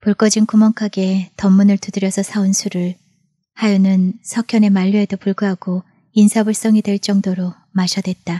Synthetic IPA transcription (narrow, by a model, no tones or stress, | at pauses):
puɭk͈ʌd͡ʑinkumʌŋkʰaɡe̞tʌmːunɯɭtudɯɾjʌsʰʌsʰaunsʰuɾɯɭ | hajunɯnsʰʌkʰjʌne̞maʎːuedopuɭɡuɦaɡ̥o | insʰabuɭs͈ʌŋidwe̞ɭt͡ɕ͈ʌŋdoɾo | maɕʰʌdwe̞t̚t͈a